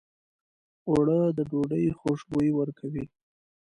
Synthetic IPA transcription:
oɽəd̪əɖoɖəjxoʂbojiwəɾkʰawi

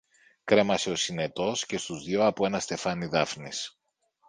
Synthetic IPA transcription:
kɾe̞mɐse̞o̞sine̞t̪o̞sce̞st̪uzðʝo̞ɐpoe̞nɐst̪e̞fɐniðɐfnis

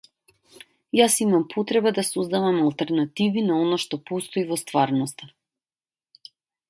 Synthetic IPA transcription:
jasimampʰot̪ɾɛbad̪asozd̪avamalˠt̪ɛɾnat̪ivinaɔnaʃt̪ɔpost̪ɔivɔst̪vaɾnɔst̪a

